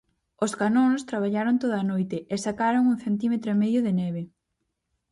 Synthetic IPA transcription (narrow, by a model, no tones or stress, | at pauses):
oskanonst̪ɾaβ̞aʎaɾont̪oðɐaːnojt̪ɪʔesakaɾoŋuŋθent̪̬imet̪ɾoemɛðjʊðɪnɛβe